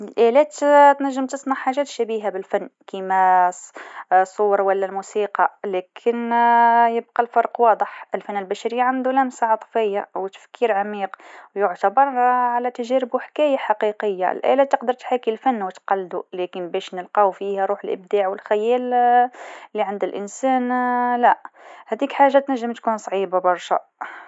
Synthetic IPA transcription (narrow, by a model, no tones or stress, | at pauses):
əlʔælæt̪t̪næʒːəmt̪əsˤnɑʕħaʒæːt̪ʃæbiɦabəlfænːkimæssˤuːɾwəlːælmusiqɑlækʰənjəb̚qɑlfɑɾˤqwɑd̪ˤəħəlfænːəlbæʃæɾəjːaʕand̪ulæmsaʕɑt̪ˤfəjːawt̪ə̥fkiːɾʕamiːqwjʊʕt̪abɑɾˤʕalæt̪æʒæɾɪbuħkæjaħɑqiqəjːa̰lʔæ̰læt̪ːəqd̪əɾˤt̪ħakilfænːwət̪qɑlːd̪ulækənbæʃnəlqɑwfihæɾˤuːħəlʔə̰bd̪aʕwəlxæjæːl | lːiʕand̪ælʔənsæːnlæhæd̪ikħaʒːat̪næʒːəmt̪kunsˤʕibabɑɾˤʃa̰